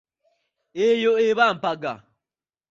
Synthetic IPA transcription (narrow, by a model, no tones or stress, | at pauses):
ejoeβam̩paɡa̰